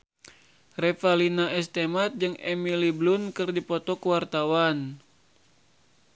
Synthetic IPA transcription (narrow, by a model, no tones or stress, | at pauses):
rɛfalinaʔɛst̪emat̪̚d͡ʒɨŋɛmiliblunkɨrdipɔt̪ɔkəwart̪awan